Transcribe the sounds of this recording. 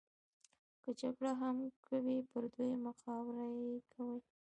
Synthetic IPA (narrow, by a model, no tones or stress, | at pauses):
kəd͡ʒaɡɽaɦamkʰawipəɾd̪ujmaqɑwɾajekʰawəj